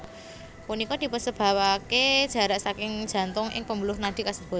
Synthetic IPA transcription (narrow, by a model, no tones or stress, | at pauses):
punikɔd̪̥i̤pʊnsəb̥a̤waked̥ʒ̥a̤ɾaʔsakɪŋ̥ʒ̥a̤nt̪ʊŋʔɪ̰ŋpəmbulʊhnaɖ̪̥i̤kasəb̥ṳ